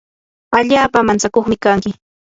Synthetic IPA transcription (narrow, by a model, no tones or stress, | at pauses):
aʎaːpamant͡sakoχmɪkaŋkɪ